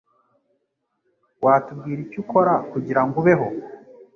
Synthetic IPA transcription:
waːtub̚ɡiːɾicuko̞ɾakuɟiɾaŋɡuβeɦo

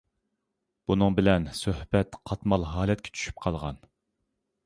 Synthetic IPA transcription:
b̥unɨŋbɪlɛnsøhbɛt̪qʰɑt̪mɑlˠɦɑːlɛt̪̚kʲʰɛ̥t͡ʃʰy̥ʃy̥p̚qʰɑlˠʁɑ̰n

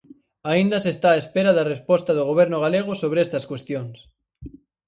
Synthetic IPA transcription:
aind̪ɐsest̪aːespeɾɐðarespɔst̪ɐðʊɣoβ̞eɾnʊɣaleɣ̞ʊsoβɾest̪ɐskwest̪joŋs

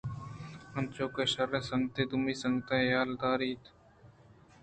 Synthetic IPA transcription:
ənt͡ʃoːkeːʃəɾːẽːsəŋɡt̪eːd̪ʊmiːsəŋɡt̪aːjaːld̪aːɾiːt̪

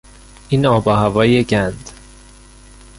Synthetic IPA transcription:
inɒːbɒːhævɒːjeɟænd̪̥

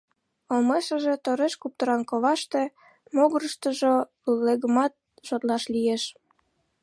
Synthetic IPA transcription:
omeʃəʒet̪oɾeʃkup̚t̪əɾɑnkoβɑʃt̪e | moɣəɾəʃt̪əʒo | leɣəmɑt̪̚ | ʒot̪lɑʃlijeʃ

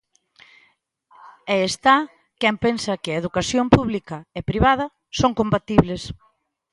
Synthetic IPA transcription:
ɛest̪a | kɛmpensɐkɪɐeðukasjompuβlikɐɛpɾiβað̞ɐ | soŋkombat̪iβles

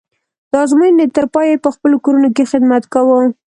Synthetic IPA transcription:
d̪ɑzmujnet̪əɾpɑjepəxpəlokoɾunokexɪd̪mat̪kawə

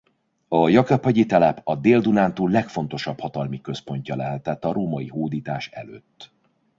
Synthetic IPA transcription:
ɒjɒkɒpːɒɟit̪ɛlɛpɒd̪eːld̪unaːnt̪uːlːɛkfo̞n̪t̪o̞ʃɒphɒt̪ɒlmikø̞spo̞ɲcɒlɛɦɛt̪ɛt̪ːɒɾoːmɒjiɦoːd̪iːt̪aːʃɛ̰lø̰ːt̪ː

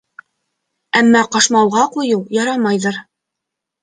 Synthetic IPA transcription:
æmːɑqɑʃmɑw̪ˠʁɑqujɤwjɑɾɑmɑjðɤɾ

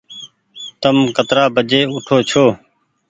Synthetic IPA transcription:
t̪əmkət̪ɾaːbəd͡ʒeːʊʈʰoːt͡ʃʰoː

